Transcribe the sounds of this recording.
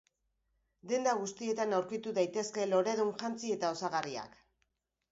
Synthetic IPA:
d̪e̞nd̪aɣ̞ust̪ie̞t̪anawɾkit̪uðajt̪e̞ske̞lo̞ɾe̞ðunʝant͡sie̞t̪ao̞saɣaria̰k

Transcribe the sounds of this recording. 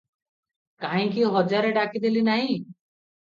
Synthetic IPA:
kaɦĩkiɦɔd͡ʒaɾeɖakid̪elinaɦĩ

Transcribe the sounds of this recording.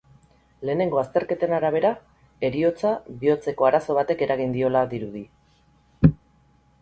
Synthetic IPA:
le̞ːne̞ŋɡo̞ast̪e̞ɾke̞t̪enaɾaβ̞e̞ɾa | e̞ɾio̞t͡saβio̞t͡se̞ko̞aɾaso̞β̞at̪e̞ke̞ɾʔaɣ̞ind̪io̞laðiɾuði

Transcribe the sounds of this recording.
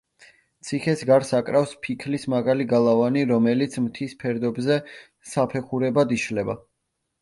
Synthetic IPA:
t̪sʰiχɛsɡaɾsakʼɾafspʰikʰlismaɡaliɡalˠavaniɾɔmɛlit̪sʰmt̪ʰispʰɛɾd̪ɔbzɛ | sapʰɛχuɾɛbad̪iʃlɛba

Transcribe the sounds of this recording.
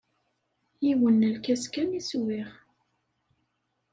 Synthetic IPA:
jiwənːəlkæskæniswɪʁ

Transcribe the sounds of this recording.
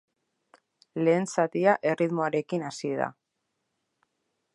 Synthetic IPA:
le̞ːnsat̪iaʔe̞riðmo̞aɾe̞kinasieða̰

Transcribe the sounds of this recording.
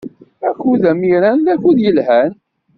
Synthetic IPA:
ækːuðæmiɾænlæçuðjəlhæn

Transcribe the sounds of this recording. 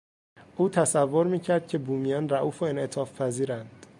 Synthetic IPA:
ʔuːt̪ʰæsævːo̞ɾmiːcʰæɾd̪̥̚cʰe̞buːmijɒːnræʔuːfoenʔet̪ʰɒːfpʰæziːɾænd̪̥

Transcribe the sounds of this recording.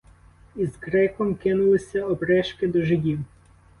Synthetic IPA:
izɡɾɛkɔmkɪnʊlˠɪsʲɐɔbɾɛʃkɪd̪ɔʒɪdʲiw

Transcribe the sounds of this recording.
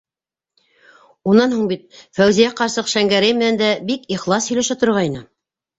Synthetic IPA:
unːɑnhuɴbit̪̚fæwzijæqɑɾsɤqʃæŋɡæɾɘjmɘ̆nænd̪æbikiχlˠɑshɵ̆læʃæt̪ŏɾɾʁɑjnɤ

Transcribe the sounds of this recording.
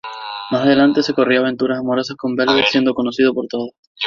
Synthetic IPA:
masaðe̞lant̪e̞se̞ko̞rioaβ̞e̞nt̪uɾasamo̞ɾo̞sasko̞mbelβet̪sje̞nd̪oko̞nosið̞opo̞ɾt̪oðo

